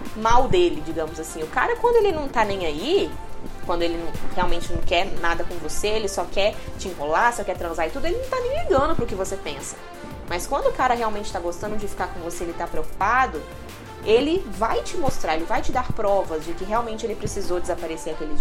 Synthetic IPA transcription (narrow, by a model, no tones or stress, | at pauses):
mawd̪elɪd͡ʒiɡɐ̃mʊzasĩʊka̰ɾɐkwɐ̃nd̪ʊelɪnɐ̃w̃t̪anẽj̃ai | kwɐ̃nd̪ʊelɪnɐ̃w̃heawmẽnt͡ʃɪnɐ̃w̃kɛɾnad̪ɐkõvoseelɪsɔkɛɾt͡ʃɪĩkolaɾsɔkɛt̪ɾɐ̃zaɾɪt̪ud̪ʊelɪnɐ̃w̃t̪anẽj̃ẽɡɐ̃nʊpɾʊkɪvosepẽsɐ̥ | mɐskwɐ̃nd̪ʊkaɾɐɦeawmẽnt͡ʃɪ̥t̪aɡost̪ɐ̃nd̪ʊd͡ʒɪfi̥kaɾkõvoseelɪt̪apɾeowku̥pad̪ʊ | elɪvajt͡ʃɪmost̪ɾaɾelɪvajt͡ʃɪd̪aɾpɾɔvɐzd͡ʒɪkɪɦeawmẽnt͡ʃɪelɪpɾesizowd͡ʒɪzapaɾeseɾakelɪ